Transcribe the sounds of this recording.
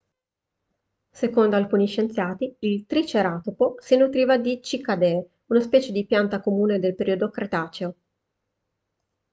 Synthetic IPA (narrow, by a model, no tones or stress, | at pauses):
sekond̪oalkuːniʃent̪sjaːt̪iilt̪ɾit͡ʃeɾaːt̪oposinut̪ɾiːvad̪it͡ʃikad̪e | unaspɛːt͡ʃed̪ipjant̪akomuːned̪elpeɾiod̪okɾet̪aːt͡ʃeo